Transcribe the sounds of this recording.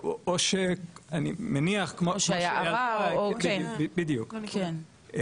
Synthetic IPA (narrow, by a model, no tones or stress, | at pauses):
ooʃeanimeniaχkmoʃajʃajalaajiubibidjukke